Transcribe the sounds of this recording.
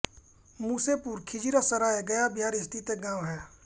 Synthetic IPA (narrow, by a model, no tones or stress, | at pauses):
muːsepuːɾkʰɪd͡ʒiɾasɐɾaːeɡɐjabʱjaːɾɪst̪it̪eɡãːʋɦɛː